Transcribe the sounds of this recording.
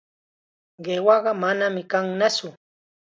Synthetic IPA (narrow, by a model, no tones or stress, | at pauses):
ɢewɑɢɑmanamɪkaŋnat͡ʃʊ